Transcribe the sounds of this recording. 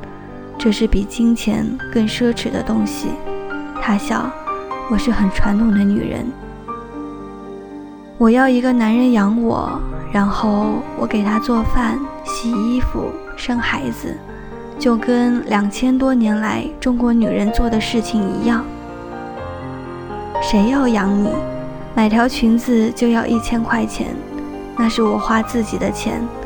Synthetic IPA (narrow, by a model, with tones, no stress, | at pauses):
ʈ͡ʂɤ˥˧ʂɻ̩˥˩pi˨˩t͡ɕi˥ŋt͡ɕʰjɛ̰˧˥nkɤ˥˩ŋʂɤ˥ʈ͡ʂʰɻ̩˨˩d̪ə̰˦t̪ʊ˥ŋɕḭ˨t̪ʰa˥ɕjɑ̰˥˩ʊwɔ˨˩ʂɻ̩˥˩xə˨˩nʈ͡ʂʰwa˧˥nt̪ʰʊ˨˩ŋd̪ə˦ny̰˨˩ɻə̰˧˥n | wɔ˨˩jɑ˥˩ʊi˧˥ɡə˧na˧˥nɻə˧˥njɑ˧˥ŋwɔ̰˨˩˦ɻa˧˥nxo˥˩ʊwɔ˧˥ke˨˩ɪt̪ʰa˥t͡swɔ˥˧fa˥˩n | ɕi˨˩i˥fṵ˨˩ | ʂɤ˥ŋxa˧˥ɪd͡zɹ̩̰˧ | t͡ɕjo˥˩ʊkə˥nljɑ˨˩ŋt͡ɕʰjɛ˥nt̪wɔ˥njɛ˧˥nla˧˥ɪʈ͡ʂʊ˥ŋkwɔ˧˥ny˨˩ɻə˧˥nt͡swɔ˥˩d̪ə˩ʂɻ̩˥˩t͡ɕʰi˨˩ŋi˧˥jɑ˥˩ŋ | ʂe˧˥ɪjɑ˥˩ʊjɑ˧˥ŋni˨˩˦ | ma˨˩ɪt̪ʰjɑ˧˥ʊt͡ɕʰy˧˥nd͡zɹ̩˧t͡ɕjo˥˧ʊjɑ˥˧ʊʔi˥˩t͡ɕʰjɛ˥nkʰwa˥˩ɪt͡ɕʰjɛ̰˧˥n | na˥˧ʂɻ̩˥˩wɔ˨˩xwa˥t͡sɹ̩˥˩t͡ɕi˨˩d̪ə˦t͡ɕʰjɛ̰˧˥n